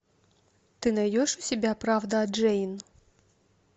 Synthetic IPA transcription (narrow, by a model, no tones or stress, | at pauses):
t̪ɨnɐjjʲɔʂusʲɪbʲapɾawd̪ɐːd͡ʐɛjn